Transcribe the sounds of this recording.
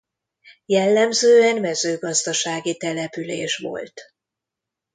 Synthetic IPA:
jɛlːɛmzøːɛnmɛzøːɡɒzd̪ɒʃaːɡit̪ɛlɛpyleːʃʋo̞̰lt̪

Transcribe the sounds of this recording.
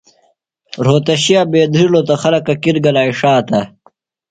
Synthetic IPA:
ɾoːt̪ɐɕijaːbeːd̪ilot̪ɐxɐlɐkɐkiɾɡɐlaːiʂaːt̪ɐ

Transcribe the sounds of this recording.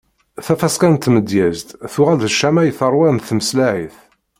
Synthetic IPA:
θæfæskænt̪ːməd̪jæzt̪θʊʁælðəʃːæmæjθəɾˤwænθməslaʕiθ

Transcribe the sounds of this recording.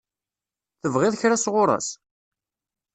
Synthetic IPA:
θəvʁɪðˤçɾasʁʊɾˤɑ̰s

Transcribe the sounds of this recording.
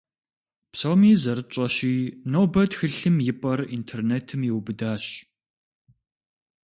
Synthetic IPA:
psoːmiːzɐɾɨt͡ʃʼɐɕiːnoːwbɐdxɨɬɨmjɪpʼɐrintʰerneːtʰɨmjɪwbɨdaːɕ

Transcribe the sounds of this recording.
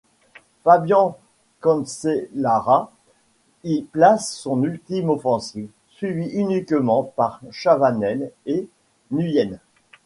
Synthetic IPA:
fabjɑ̃ | kɔ̃nselaʁa | iplasːɔ̃nylt̪imɔfɑ̃siv | sɥiviʔynikmɑ̃paʁʃavanɛle | nyjɛn

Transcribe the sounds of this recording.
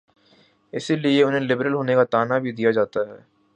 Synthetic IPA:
ɪsilieʊnɦẽlɪbɾəlɦoːnekat̪aːnabʱid̪ijad͡ʒaːt̪aɦɛː

